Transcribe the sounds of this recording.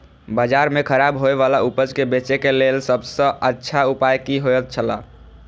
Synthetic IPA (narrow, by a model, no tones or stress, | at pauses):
bad͡ʒaɾmekʰəɾabɦoeβalaupəd͡ʒkebet͡ʃekelelsəbsə̃ətːʃʰaupajkiɦojət̪̚t͡ʃʰəla̰